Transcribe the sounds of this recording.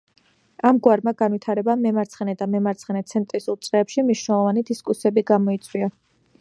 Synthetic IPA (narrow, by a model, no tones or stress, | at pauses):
amɡwaɾmaɡanwit̪ʰaɾɛbamɛmaɾt̪sʰχɛnɛd̪amɛmaɾt̪sʰχɛnɛt̪sʰɛnt̪ʼɾisulˠt̪sʼɾɛːpʃimniʃnɛlˠɔvanid̪iskʼusɛbiɡamɔit̪sʼwia